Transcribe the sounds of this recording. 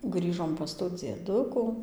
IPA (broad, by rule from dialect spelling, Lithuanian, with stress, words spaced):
ˈɡrʲiːʒoːm pɐs tuː d͡zʲiɛˈdʊkʊ